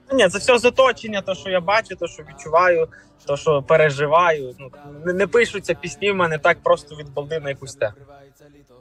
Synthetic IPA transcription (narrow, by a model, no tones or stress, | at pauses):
nʲit̪zɛfsʲɔzɔt̪ɔt͡ʃenʲːɐt̪ɔʃt͡ʃɔjabɑt͡ʃʊt̪ɔʃt͡ʃɔʋʲid̪̚t͡ʃʊʋɑjʊ | t̪ɔʃɔpeɾeʒɪʋɑjʊnunɛnɛpɪʃʊt͡sʲːɐpʲisʲnʲiwmɛnɛt̪ɑk̚pɾɔst̪ɔʋʲid̪̚bɔlˠnɪnɐjɐkusʲt̪ɛxʊ